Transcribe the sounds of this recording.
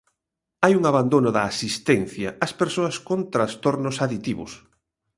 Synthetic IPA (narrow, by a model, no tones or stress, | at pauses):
ajuŋaβand̪onʊðɐːsist̪ɛnθjɐɐspeɾsoɐskont̪ɾast̪oɾnʊsaðit̪iβʊ̰s